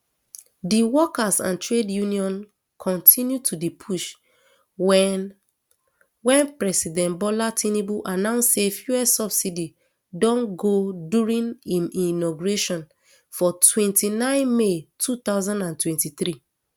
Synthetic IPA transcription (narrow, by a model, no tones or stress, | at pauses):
diwɔkasã̰ntɹedjũniɔ̃n | kʰɔ̃ntʰĩnjutʰudipʰuʃ | wɛ | wɛ̃npɹɛsidɛ̃ntbɔlatĩnibuʔanãʊ̃nssefjuɛsɔbsidi | dɔ̃nɡoduɹĩnĩmĩnɔɡuɹeʃɔ̃n | fɔtʰwɛ̃ntinãɪ̃nmetʰut̪aʊzãndãntwɛ̃ntit̪ɹi